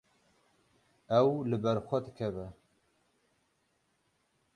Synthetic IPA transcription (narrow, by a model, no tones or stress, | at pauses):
ɛwlɨbɛɾxʷɛd̪ɨkʰɛvɛ